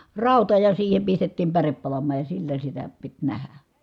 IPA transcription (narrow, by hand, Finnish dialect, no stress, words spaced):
rɑˑutɑ jɑ siːhem pistetːiːm pærep pɑlɑmˑɑːj jɑ silːæ sitæ pit næhæ